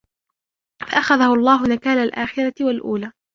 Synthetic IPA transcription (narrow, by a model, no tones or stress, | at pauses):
faʔaxaðahʊɑlˤːɑːɦʊnakaːlalʔaːxɪɾˤɑt̪ɪwalʔuːlaː